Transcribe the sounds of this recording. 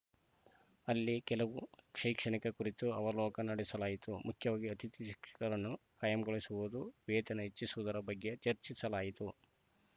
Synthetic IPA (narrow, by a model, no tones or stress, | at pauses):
ɐlːikɛlɐʋukʂɐjkʂɐɳikɐkuɾit̪uɐʋɐlɔːkɐnɐɽisɐlaːjit̪umʔukʰjɐʋaːɡiɐt̪ʰit̪iki̥kɐɾɐnːukaːjɐmɡoɭisuʋud̪uʋeːt̪ɐnɐɦet͡ʃːisuʋud̪ɐɾɐbɐɡjet͡ʃɐɾt͡ʃisɐlaːjit̪u